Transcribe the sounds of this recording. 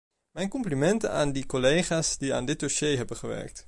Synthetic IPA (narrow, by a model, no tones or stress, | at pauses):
mɛjnkɔmplimɛntənaːndikolejχaːsdia̰ːndɪt̚doseːɦɛbənχəʋɛ̰ɹk̚t